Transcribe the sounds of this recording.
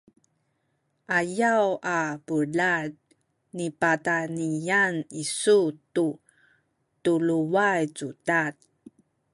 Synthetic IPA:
ʔajawapəlad̚ | nipatanijanisutu | tuluwajt͡sudat̚

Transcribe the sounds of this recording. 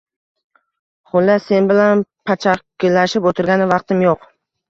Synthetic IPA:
χʊlːase̞nbɪlanpʰat͡ʃʰaɪlaʃɪpot̪ʰɪɾɡʲanɪvɑq̚t̪ɪmjoq

